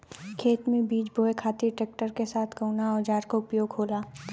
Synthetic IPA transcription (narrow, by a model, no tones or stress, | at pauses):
kʰeːt̪mẽbiːt͡ʃboːekʰaːt̪iʈɾeːk̚ʈəɾkesaːt̪ʰkəunaɔːɾd͡ʒaːɾkoʊpjoːɡɦoːlaː